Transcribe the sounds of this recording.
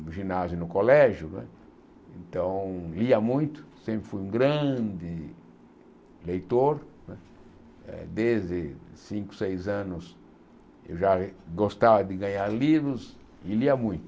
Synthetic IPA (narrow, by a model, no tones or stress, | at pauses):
ʒinazjʊnʊkolɛʒjʊnɛ̰ | ẽnt̪ɐ̃w̃liɐmũj̃t̪ʊ̥sẽmpɾɪfujũɡɾɐ̃nd̪ɪ | lejt̪oɾnɛ | ɛ̰d̪ezd̪ɪsĩŋkʊ̥sejzɐ̃nʊs | ḛwʒaɡost̪avɐd̪ɪɡɐ̃ɲaɾlivɾʊs | ɪliɐmũj̃t̪ʊ